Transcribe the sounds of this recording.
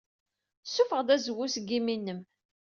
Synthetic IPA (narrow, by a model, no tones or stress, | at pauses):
sːufəʁd̪æzwusɡiminːəm